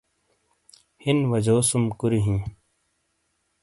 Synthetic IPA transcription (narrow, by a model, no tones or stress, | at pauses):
hinʋɐd͡ʑoːsumkuɾiɦĩ